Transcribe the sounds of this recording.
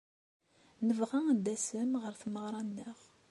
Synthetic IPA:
nəvʁæd̪æsəmʁəɾθməʁɾˤɑnːəʁ

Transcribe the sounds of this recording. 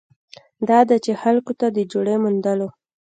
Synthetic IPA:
d̪ɑd̪at͡ʃexalkot̪ad̪əd͡ʒoɽemʊnd̪əlo

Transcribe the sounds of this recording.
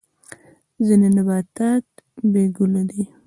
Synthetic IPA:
zinenabɑt̪ɑt̪̚beɡʊlad̪i

